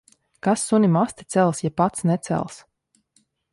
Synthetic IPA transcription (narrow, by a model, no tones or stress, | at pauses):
kasːunʲimast̪i̥t̪sɛlˠsjapat̪snɛt̪sɛ̰lˠs